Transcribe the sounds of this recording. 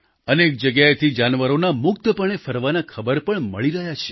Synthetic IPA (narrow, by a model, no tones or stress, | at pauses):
ənek̚d͡ʒəɡjajet̪ʰid͡ʒanʋəɾonamʊk̚t̪əpəɳ̃efəɾʋanakʰəbəɾpəɳməɭiɾəɦjat͡ʃʰe̥